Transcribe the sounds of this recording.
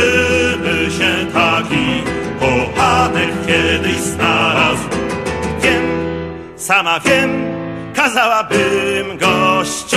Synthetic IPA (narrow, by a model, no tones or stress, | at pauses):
mɘɕɛt̪akʲipɔpat̪ɛkkʲjɛd̪ɘɕznaɾazvʲjɛm | samavʲjɛm | kazawabɨmɡɔɕt͡ɕ